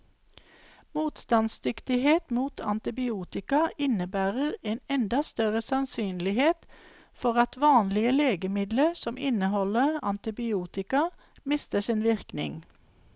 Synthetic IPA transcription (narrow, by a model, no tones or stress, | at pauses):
muːt̪st̪ɑnsd̪ʏkt̪ɪheːt̪muːt̪ʰɑ̰nt̪ɪbɪuːt̪ɪkɑɪnəbæːʁəʁeːnɛnd̪ɑst̪œʁəsɑnsyːnlɪheːt̪ | fɔʁɑt̪ʋɑːnlɪəleːɡəmɪd̪ləsɔmʔɪnəhɔləʁɑ̰nt̪ɪbɪuːt̪ɪkɑ | mɪst̪əsɪnʋɪʁknɪ̰ŋ